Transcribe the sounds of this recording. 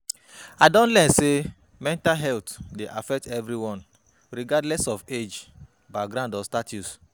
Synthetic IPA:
adɔ̃ntlɛnse | mɛ̃ntalɦɛltdeʔafɛk̚tɛvɾiwɔ̃n | ɹiɡadlɛsɔfed͡ʒ | baɡɾãndɔstatus

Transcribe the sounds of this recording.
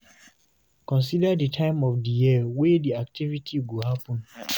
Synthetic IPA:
kɔ̃ns̬idadətʰãɪ̃mɔfdijiwediak̚tʰivitʰiɡohapɔ̃n

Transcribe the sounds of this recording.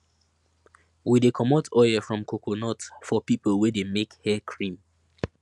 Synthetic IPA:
widekʰɔmɔtʰɔɪəfɹɔ̃mkʰokonɔtfɔpipəlˠwɛdemekhɛkʰɹĩm

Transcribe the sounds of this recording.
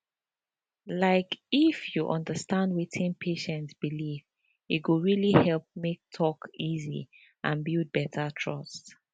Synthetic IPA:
laɪkifjuʔɔ̃ndəstãndwitʰɪ̃npʰeʃɛ̃ntsb̥iliv | iɡuɹilihɛlp̚mek̚tʰɔkizḭ | ʔãnbild̚bɛtʰətʰɹɔst

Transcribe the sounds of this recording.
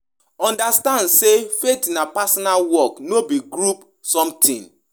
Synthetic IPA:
ɔ̃ndastãndsefetinapasɔnalwɔknobiɡɾup | sɔ̃mtʰḭ̃n

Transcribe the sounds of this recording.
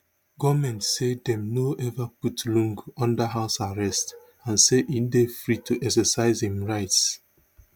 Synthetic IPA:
ɡɔmɛ̃ntsedɛ̃mnoʔɛvaputlũŋɡɔ̃ndəɦaʊsaɹɛst | ãnseʔindefɹitʰuʔɛksəsaɪzhĩmɹaɪts

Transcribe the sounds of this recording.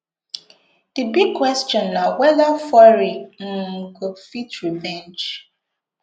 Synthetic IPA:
d̥ibiɡ̚kwɛst͡ʃɔ̃nːawɛðafɔɹiŋ̩ɡofitɹivɛ̃nd͡ʒ

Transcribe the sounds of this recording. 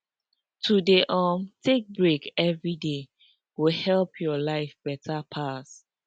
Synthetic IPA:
tʰudeʔɔmtʰek̚bɹekɛvɹide | wihɛlpʰjɔlaɪfb̥ɛtʰapʰas

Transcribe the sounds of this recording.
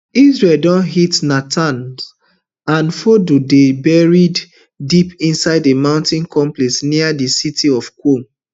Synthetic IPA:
izɹeldɔ̃nɦitnatʰãns | ãnfodudebɛɹid | dipĩnsaɪdemãʊ̃ntĩnkɔ̃mplɛsniadisitʰiɔfkom

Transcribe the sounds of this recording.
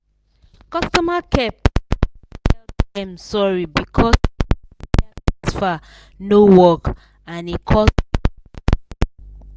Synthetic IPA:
kʌstɔmakʰɛp̚ | tɛldɛ̃msɔɹibikʰɔ | ɛsfa | nowɔk | ãnikʰɔ

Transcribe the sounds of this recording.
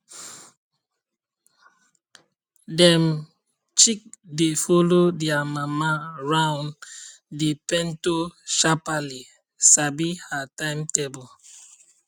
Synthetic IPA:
dɛm | t͡ʃik̚defɔlodiamamaɹãwn | depɛ̃ntoʃapali | sabihatãɪ̃mtebɔl

